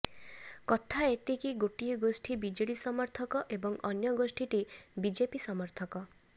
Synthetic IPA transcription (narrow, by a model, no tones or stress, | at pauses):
kɔt̪ʰaet̪ikiɡoʈiɔɡosʈʰibid͡ʒeɽisɔmɔɾt̪ʰɔkɔʔebɔŋɔnjɔɡosʈʰiʈibid͡ʒepisɔmɔɾt̪ʰɔkɔ